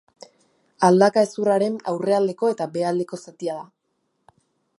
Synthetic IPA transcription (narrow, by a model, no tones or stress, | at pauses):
ald̪akae̞suraɾe̞na̰wre̞ald̪e̞ko̞e̞t̪abe̞ald̪e̞ko̞sat̪iaða